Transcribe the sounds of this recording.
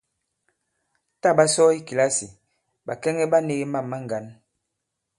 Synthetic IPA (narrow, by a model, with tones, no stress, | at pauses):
ta˦˨ba˦sɔ˦i˦ki˨la˦si˨ | ɓa˨kɛ˦ŋɛ˦ɓa˦ne˦ɣe˦ma˦˨mːa˦ŋ˨ɡa˨˦n